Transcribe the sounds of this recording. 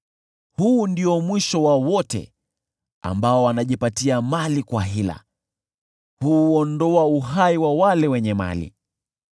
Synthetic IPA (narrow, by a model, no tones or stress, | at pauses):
huːndiɔmwiʃɔwawɔtɛ̰ | a̰mbaɔwanaʄipatiamalikwaɦila̰ | huɔndɔauɦaiwawalɛwɛɲɛma̰lḭ